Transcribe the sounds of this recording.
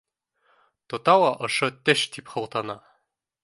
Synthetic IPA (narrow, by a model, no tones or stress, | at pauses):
t̪ŏt̪ɑwˠɑʔŏʃɤt̪ɘʃt̪ipχɤ̆wt̪ɑnɑ